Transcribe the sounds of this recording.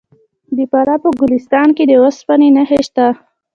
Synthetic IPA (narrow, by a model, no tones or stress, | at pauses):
d̪əpaɾapəɡʊlist̪ɑnked̪əwəspanenaheʃt̪a